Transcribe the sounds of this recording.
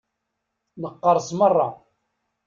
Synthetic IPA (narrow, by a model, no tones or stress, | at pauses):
nəqːəɾˤsmərˤːɑ